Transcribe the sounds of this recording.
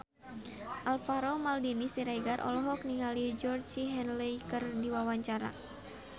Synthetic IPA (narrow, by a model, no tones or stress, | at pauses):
ʔalfaɾomaldinisiɾajɡarʔɔ̰lɔɦɔk̚niŋalid͡ʒɔrd͡ʒiɦɛnlɛjkɨrdiwawaɲt͡ʃaɾa̰